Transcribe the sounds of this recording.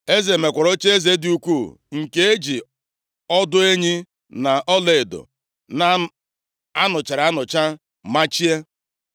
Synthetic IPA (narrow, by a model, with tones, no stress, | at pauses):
e˦ze˨me˨kʷa˨ɾo˦t͡ʃe˦e˦ze˨˦dɪ˨u˦kʷu˦˨ | ŋ̩˨ke˦e˦d͡ʒi˨ | ɔ˦dʊ˦e˦ɲi˦ | na˨ʔɔ˦le˨e˨do̰˨ | na˨ | a˦nʊ˨t͡ʃa˨ɾa˦nʊ˨t͡ʃa˦ | ma˦t͡ʃi˦e˦